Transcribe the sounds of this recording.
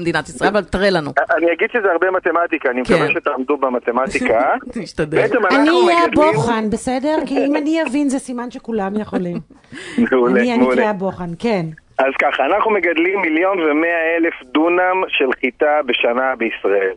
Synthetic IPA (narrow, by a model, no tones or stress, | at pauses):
md̪inat̪isʁaelavalt̪aʁelanuaniaɡidʃezeaʁbemat̪emat̪ikaːnimekaveʃet̪aːmd̪ubemat̪emat̪ikaiʃt̪ad̪bet͡semananiajaboχanbesedeʁkiimaniavinzesimanʃekulamjeχolim | meuleiameulaboχankenazkaχaːnaχnumeɡad̪limːiljo̞nvemeaelefd̪unamʃelχit̪abeʃanabeisʁae̞l